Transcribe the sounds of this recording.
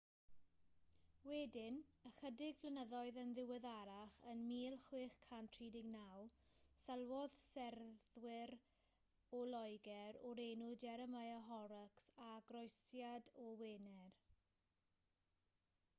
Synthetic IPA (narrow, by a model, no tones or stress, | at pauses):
wɛdɪnəχədɪɡvlənəðɔɨðənðɪwɛðaɾaχənmiːlˠχwɪːχkʰantʰr̥iːdɪɡnawsɛlˠwɔð̥sɛrðwɪɾ | ɔlɔjɡɛɾɔɾenʊdɛɾəmajəɦɔɾəksaɡrɔjsjadɔweːnɛr